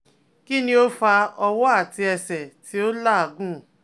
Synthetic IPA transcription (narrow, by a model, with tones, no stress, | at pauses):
ki˦nĩ˦o˦fa˧ɔ˧wɔ˦a˦˨ti˧ɛ˧sɛ˨ti˨˦o˦la˦˨a˨ɡũ˦˨